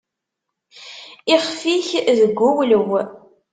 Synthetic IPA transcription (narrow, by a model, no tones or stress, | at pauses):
ɪχfiçðəɡʷːuwləw